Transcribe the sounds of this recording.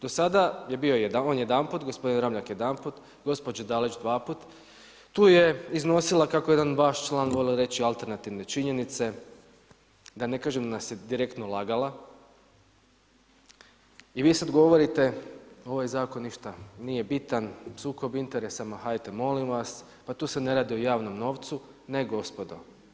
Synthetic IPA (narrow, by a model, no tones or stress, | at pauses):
d̪o̞sad̪aje̞bio̞jed̪aonje̞d̪anpuːt̪ɡo̞spo̞d̪inɾamʎakjed̪anpuːt̪ | ɡo̞spod͡ʒad̪alet͡ʃd̪ʋaːpuːt̪ | t̪uːje̞izno̞silˠakako̞jed̪anʋaʃt͡ʃlˠaːnʋo̞liɾe̞t͡ʃialˠt̪e̞ɾnat̪iʋne̞t͡ʃiɲe̞nit̪se̞ | d̪ane̞kaːʒemd̪anasje̞d̪iɾe̞kt̪no̞lˠaːɡala | iʋiːsaod̪ɡo̞ʋoɾit̪e̞o̞ʋajzaːko̞nːiʃt̪anije̞bit̪ansuːko̞bint̪e̞ɾe̞samaɦajt̪emo̞limʋas | pat̪uːse̞ne̞ɾaːd̪iojaːʋno̞mno̞ːʋt̪su | ne̞ɡo̞spo̞d̪o̞